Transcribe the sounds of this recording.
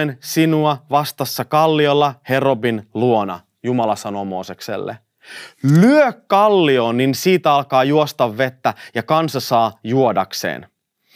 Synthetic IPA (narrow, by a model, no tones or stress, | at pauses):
ensinuɑʋɑst̪ɑsːɑkɑlːiolːɑhe̞robinluonɑ̰ | jumɑlɑsɑnoːmo̞̰ːse̞kse̞̰lːḛ | lyøkːɑlːio̞ːnːinsiːt̪ɑlkɑːjuost̪ɑʋːe̞t̪ːæjɑkɑnsɑsɑːjuo̞dɑksḛːn